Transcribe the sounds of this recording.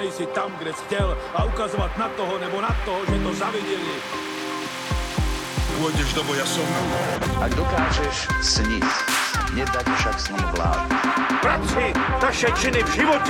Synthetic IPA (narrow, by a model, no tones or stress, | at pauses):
ɛjsɪt̪amɡdɛscɛlaʔukazovat̪nat̪oɦonɛbonat̪oɦoʒɛt̪o̞zavɪɟɛlɪ | puɔjɟɛʒdobojasomkuʔaɡdokaːʒɛʃsɲɪt͡sɲɛdacfʃaksnamvla̰ːdupɾat̪sɪt̪aʃɛt͡ʃɪnɪvʒɪvot